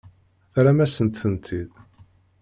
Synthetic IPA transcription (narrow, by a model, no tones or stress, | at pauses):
θɾæmæsənt̪θənt̪ʰið